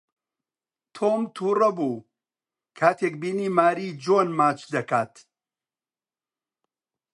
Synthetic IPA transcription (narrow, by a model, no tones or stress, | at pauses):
t̪ʰoːmt̪ʰuːrɐbuː | kʰaːt̪ʰekbiːniːmaːɾiːd͡ʒoːnmaːt͡ʃd̪ɐkaːt̪